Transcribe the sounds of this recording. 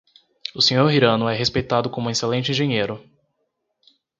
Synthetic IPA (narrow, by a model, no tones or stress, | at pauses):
ʊsẽɲoɾɦiɾɐ̃nʊɛɦespejt̪ad̪ʊkõmʊeselẽnt͡ʃɪĩʒẽɲejɾʊ